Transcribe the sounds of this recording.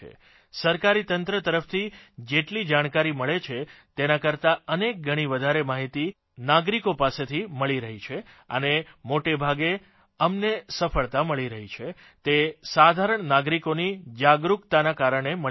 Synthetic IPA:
ḛ | səɾkaɾit̪ənt̪ɾət̪əɾəft̪ʰid͡ʒeʈlid͡ʒaɽ̃kaɾiməɭet͡ʃʰet̪enakəɾt̪aənek̚ɡʱəɽ̃iʋəd̪ʱaɾemaɦit̪i | naɡɾikopaset̪ʰiməɭiɾəɦit͡ʃʰe | ə̰nemoʈebʱaɡe | əmnesəfəɭt̪aməɭiɾəɦit͡ʃʰe | t̪esad̪ʱaɾəɳnaɡɾikonid͡ʒaɡɾukt̪anakaɾəɳ̃emə

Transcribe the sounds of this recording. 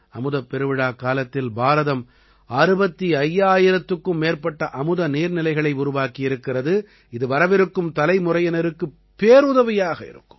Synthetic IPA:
ɐmɯðɐpːɛɾɯʋɪɽaːkːaːlɐt̪ːɪlbaːɾɐðɐm | aːɾɯbɐt̪ːiɐjːaːjɪɾɐt̪ːɯkːɯmːeːrpɐʈːɐʔɐmɯðɐniːɾnɪlɐɪɣɐɭɐɪʊɾʊʋaːkijɪɾɯkːɪrɐðɯ | ɪðɯʋɐɾɐʋɪɾɯkːɯmt̪ɐlɐɪmʊrɐjɐnɐɾɯkːɯ | pːeːɾʊðɐʋɪjaːɣɐɪ̰ɾɯ̰kːɯ̥m

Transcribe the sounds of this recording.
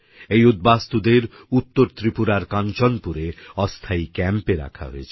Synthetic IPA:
ejud̪̚bast̪ud̪eɾ | ut̪ːoɾt̪ɾipuɾaɾkant͡ɕɔnpuɾeɔst̪ʰaikɛmpeɾa̰kʰa̰ɦo̰et͡ɕʰ

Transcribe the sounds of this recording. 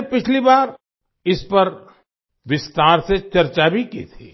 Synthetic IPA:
pɪt͡ʃʰlibaːɾ | ɪspɐɾ | ʋɪst̪aːɾset͡ʃɐɾt͡ʃabʱikḭt̪ʰḭː

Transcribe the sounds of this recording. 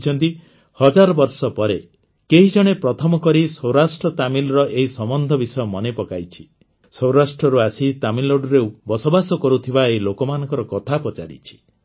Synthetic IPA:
t͡ʃʰɔnt̪i | hɔd͡ʒaɾɔbɔɾsɔpɔɾe | keɦid͡ʒɔɽ̃epɾɔt̪ʰɔmɔkɔɾisɔwɾasʈɾɔt̪amilɔɾɔʔeɦisɔmɔnd̪ʱɔbisɔjɔmɔnepɔka̰jt͡ʃʰi̥ | sɔw̃ɾasʈɾɔɾuasit̪amiloɖɔɾewbɔsobasɔkɔɾut̪ʰibaeɦilokɔmanɔ̃ŋkɔɾɔkɔt̪ʰapɔt͡ʃaɾḭt͡ʃʰi̥

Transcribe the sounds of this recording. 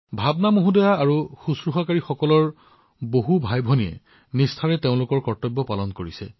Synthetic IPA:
bʱabnamoɦũdɔjaaɹuxusɹuxakaɹixɔkɔlɔɹ | boɦubʱajbʱoniɛ̰ | nistʰaɹɛteʊ̃lʊkɔɹkɔɹtɔbːɔpalɔnkoɹisɛ

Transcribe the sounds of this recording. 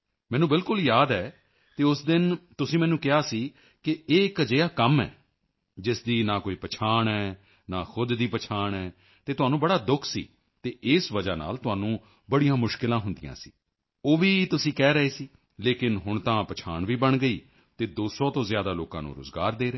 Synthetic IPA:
mɛ̃ːnũːbɪlkʊljaːd̪ɛː | t̪eːʊsd̪ɪnt̪ʊsĩːmɛ̃ːnũːkɪɦaːsiː | kɪeːɪkd͡ʒəjaːkəmɛ̰ː | d͡ʒɪsd̪iːnaːkoːiːpət͡ʃʰaːɳɛː | naːxʰʊd̪d̪iːpət͡ʃʰaːɳɛː | t̪eːt̪ʊɦaːnũːbəɽaːd̪ʊkʰsḭː | t̪eːʔɪsʋəd͡ʒaːna̰ːlt̪ʊɦaːnũː | bəɽijãːmʊʃkɪlãːɦʊnd̪ɪjã̰ːsḭː | oːʋiːt̪ʊsĩːkɛːɾəeːsiː | leːkɪnɦʊɳt̪ãːpət͡ʃʰaːɳʋiːbəɳɡəiː | t̪eːd̪oːsɔ̃ːt̪õːzɪjaːd̪aːlo̰ːkã̰ːnṵ̃ːɾʊ̰zɡa̰ːɾd̪eːɾeː

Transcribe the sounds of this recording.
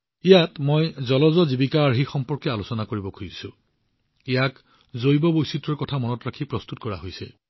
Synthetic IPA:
ijatmojzɔlɔzɔzibikaːɹɦixɔmpɔɹkɛalosɔnakoɹibɔkʰujsũ | ijak | zojbɔbojsitɔɹkɔtʰamɔnɔtɹakʰipɹɔst̪utkɔɹa̰ɦojsɛ̰

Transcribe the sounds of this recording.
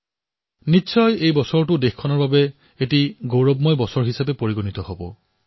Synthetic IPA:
nisʰɔjejbɔsɔɹtʊdexkʰːɔnɔɹbabɛ | etiɡowɹɔbmɔjbɔsɔɹɦisapɛpoɹiɡonit̪ɔhobɔ̰

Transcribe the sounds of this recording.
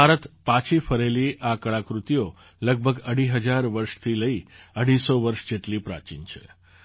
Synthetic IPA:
aɾət̪pãt͡ʃʰifəɾeliʔakəɭakɾut̪ijo | ləɡ̚bʱəɡəɽ̤iɦəd͡ʒaɾʋəɾʃt̪ʰiləiəɽ̤isoʋəɾʃd͡ʒeʈlipɾa̰t͡ʃḭnt͡ʃʰḛ

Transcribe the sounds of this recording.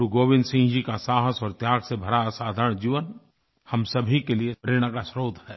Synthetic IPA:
ɾuɡoːʋɪ̃nd̪sĩːd͡ʒikasaːɦəsɔːɾt̪jaːɡsebʱɐɾaasaːd̪ʱaɾɽ̃d͡ʒiːʋən | hɐmsɐbʱikeliepɾeːɽ̃akasɾoːd̪ʱhɛː

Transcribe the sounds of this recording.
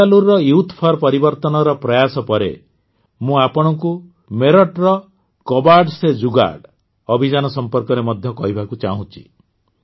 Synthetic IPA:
aluɾːɔjuwt̪ʰpʰɔɾpɔɾibɔɾt̪ɔnɔɾɔpɾɔjasɔpɔɾḛ | mũapɔɽ̃ɔŋku | meɾɔʈɾɔ | kɔbaɾɖsed͡ʒuɡa̰ɖ | ɔbʱid͡ʒanɔsɔmpɔɾkɔɾemɔd̪ʱjɔkɔɦibʱakut͡ʃaɦũt͡ʃʰi̥̰

